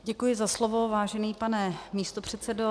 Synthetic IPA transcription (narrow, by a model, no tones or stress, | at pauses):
ɟɛkujɪzaslovo̞vaːʒɛniːpanɛmiːst̪o̞pr̝̥ɛt̪t͡sɛdo